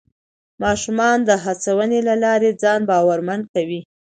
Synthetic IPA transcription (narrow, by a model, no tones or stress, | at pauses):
mɑʃumɑnd̪əɦat͡sawənelalɑɾed͡zɑnbɑwaɾmankawi